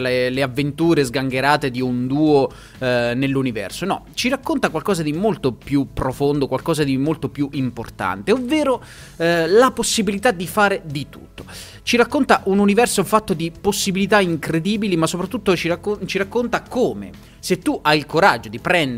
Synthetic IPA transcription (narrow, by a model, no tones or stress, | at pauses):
leleavːent̪uːɾezɡaŋɡeɾaːt̪ed̪iund̪uːo | nelːunivɛ̰rsonɔ̰t͡ʃirakːont̪akwalkɔːzad̪imolt̪opjupːɾofond̪okwalkɔːzad̪imolt̪opjuʔimport̪a̰nt̪eovːeːɾo | laposːibilit̪ad̪ːifaːɾed̪it̪ṵt̪ːo̥ | t͡ʃiɾakːont̪aʔununivɛrsoufat̪ːod̪iposːibilit̪aiŋkɾed̪iːbilimasːopɾat̪ːut̪ːot͡ʃiaot͡ʃiɾakːont̪akoːmḛ | set̪ːuʔajilkoɾad͡ʒːod̪ipɾɛnd̪